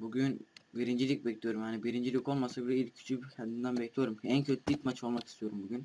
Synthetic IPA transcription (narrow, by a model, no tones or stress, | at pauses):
buɡynbiɾind͡ʒilʲic̚bɛclʲijoɾumhanibiɾind͡ʒilʲico̞lˠmasabilɛilʲcʰːy̥t͡ʃʰycʰɛnd̪ind̪ænbɛcʰlʲijo̞ɾumcʰiæncʰøt̪ʰilʲicmat͡ʃʰolˠmaki̥st̪ʰijo̞ɾumbuɟʲyn